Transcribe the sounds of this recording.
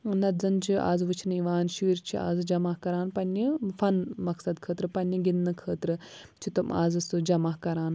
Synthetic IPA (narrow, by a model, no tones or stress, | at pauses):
nɐzɐnt͡ʃʰia̰ːzʋɨt͡ʃʰinɨiʋaːnʃiːɾt͡ʃʰia̰ːzɨd͡ʒɐmaːhkɐɾaːnpɐnːifɐnmɐksɐd̪kʰəːt̪ɾɨpɐnʲːiɡinːɨkʰəːt̪ɾɨt͡ʃʰit̪uma̰ːzɨsɨd͡ʒɐmaːkɐɾaːn